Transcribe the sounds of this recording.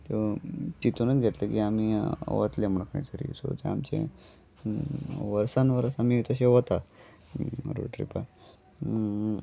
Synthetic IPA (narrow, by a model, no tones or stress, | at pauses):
t̪et͡ɕit̪unət͡sɡʱet̪lekiamiʋə̰t̪lemɳəkna̰t͡səɾḭso̰t̪eamt͡ɕḛ | ʋəɾsanʋəɾəsamit̪əɕeʋot̪a | ɾo̰ʈɾḭpaɾ